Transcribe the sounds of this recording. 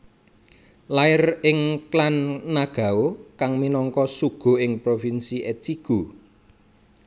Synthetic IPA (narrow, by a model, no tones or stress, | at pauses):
laɪrɪŋklanːaɡ̥a̤okaŋminɔŋkɔsuɡ̥o̤ɪŋpɾofinsiʔɛt͡ʃiɡ̥o̤